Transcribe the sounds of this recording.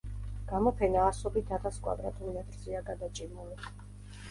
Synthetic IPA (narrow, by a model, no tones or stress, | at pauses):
ɡ̥amɔpʰɛnaːsɔbit̪ʰat̪ʰaskʼwa̰d̪ɾa̰t̪ʰʼunmɛt̪ʼɾziaɡad̪at͡ʃʼimuli